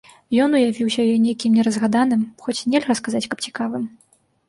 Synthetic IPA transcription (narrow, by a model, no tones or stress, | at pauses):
jɔnujavʲiwsʲɐjɔnʲejkʲimnʲɛɾɐzɣad̪an̪ɨmxɔt͡sʲnʲɛlʲɣɐskazat͡sʲkɐp̚t͡sʲi̥kavɨm